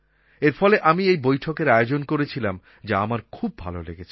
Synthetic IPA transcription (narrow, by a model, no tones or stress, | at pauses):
eɾfɔleʔamiejbojʈʰokeɾaeod͡ʑonkoɾet͡ɕʰilam | d͡ʑaamaɾkʰub̚ːʱa̰lolḛɡet͡ɕʰe